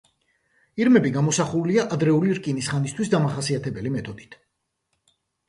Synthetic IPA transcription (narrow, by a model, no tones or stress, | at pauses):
iɾmɛbiɡamɔsaχuliaʔad̪ɾɛuliɾkʼinisχanist̪ʰwisd̪amaχasiat̪ʰɛbɛlimɛt̪ʰɔd̪it̪ʰ